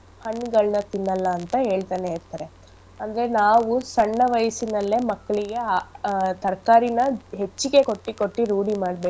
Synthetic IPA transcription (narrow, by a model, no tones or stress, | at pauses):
hɐɳːɡɐɭnɐt̪inːɐlːɐːnt̪ɐɦe̞ːɭt̪aːneːɾt̪ɐːɾe̞ | ɐnd̪ɐɾenaːʋusɐɳːɐʋɐjsinɐlːe̞mɐkːɐɭiɡe̞ | t̪ɐɾkaːɾinɐɦe̞t͡ʃːiɡe̞ko̞ʈːiko̞ʈːiɾuːɽimaːɽbeː